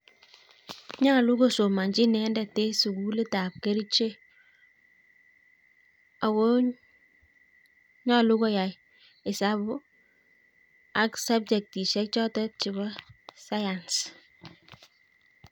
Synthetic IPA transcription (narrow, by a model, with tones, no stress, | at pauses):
ɲa˦lu˦ɡo˦˨so˨ma˨ɲd͡ʒi˦nɛ˨˦ndɛ˨te˦su˨ku˦le˦ta˨p̚ke˦ɾi˦t͡ʃe˦ | a˨wo˦ | ɲɔ˦lu˦ɡo˦ja˨j | ɪ˨sa˦bʊ˦ | a˦ksa˦b̚d͡ʒɛ˨k̚ti˨ʃɛ˦k̚t͡ʃɔ˦tɔ˦t͡ʃi˨βɔ˦sa˦ja˨ns